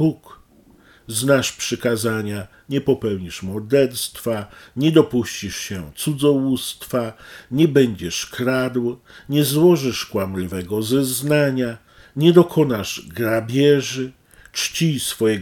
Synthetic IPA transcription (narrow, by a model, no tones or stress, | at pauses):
buk | znaʂpʂɘkazaɲa | ɲɛpɔpɛwɲiʂmɔɾd̪ɛɾst̪faɲɛd̪ɔpuɕt͡ɕiʂɕɛt̪sud̪zɔwust̪faɲɛbɛɲd͡ʑɛʂkɾad̪w | ɲɛzwɔʐɘʂkwamlivɛɡɔzɛznaɲa | ɲɛd̪ɔkʰɔnaʐɡɾabʲjɛʐɘ | t͡ʂt͡ɕisfɔjɛ